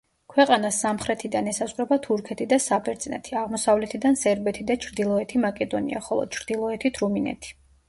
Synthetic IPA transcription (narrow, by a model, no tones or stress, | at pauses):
kʰwɛqʼanasːamχɾɛt̪ʰid̪anɛsasʼʁʼɾɛbat̪ʰuɾkʰɛt̪ʰid̪asabʰɛɾt̪sʼnɛ̰t̪ʰiaʁmɔsavlɛt̪ʰid̪ansɛɾbɛt̪ʰid̪at͡ʃʰɾd̪ilˠɔɛt̪ʰimakʼɛd̪ɔnḭa̰χɔlˠɔ̰d̪̥̚t͡ʃʰɾd̪̥ilˠɔɛt̪ʰit̪ʰɾuminɛ̰t̪ʰi̥